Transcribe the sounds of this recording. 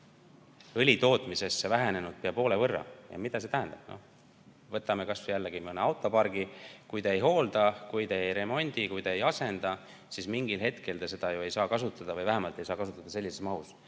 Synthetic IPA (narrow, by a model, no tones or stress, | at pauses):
ɯlʲit̪o̞ːt̪ˑmise̞sːevæɦene̞nud̪̥̚peɑpo̞ːle̞vɤrːɑ̰jɑ̰mid̪ɑs̬e̞t̪æɦænd̪̥ɑb̥no̰h | vɤt̪ːˑɑme̞kɑsjælːeɡ̥imɤneɑwt̪ˑːo̞pɑrɡ̥ikujt̪eejɦo̞ːld̪ɑkujt̪eejɾe̞mo̞nʲd̪̥ikujt̪eejɑse̞nd̪̥ɑ | sismiŋɡ̥ilɦe̞t̪kʰe̞ld̪ese̞d̪̥ɑjoe̞jsɑːkɑsut̪ːˑɑd̪̥ɑvɤjvæɦemɑlt̪ːˑe̞jsɑːkɑs̬ut̪ːˑɑd̪̥ɑse̞lːise̞smɑhus